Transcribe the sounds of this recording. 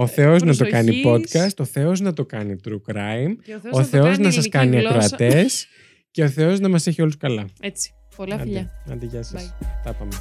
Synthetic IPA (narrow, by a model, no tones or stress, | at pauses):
o̞θe̞o̞znɐt̪o̞kɐnipo̞t̪kɐst̪oθe̞o̞znɐt̪o̞kɐnit̪ɾukɾɐimo̞sθe̞o̞znɐsɐskɐniɐkɾoɐt̪e̞s | ce̞o̞θe̞o̞znɐmɐse̞çio̞luskɐlɐ̥ | ɐɐnd̪iʝɐsɐst̪ɐpɐme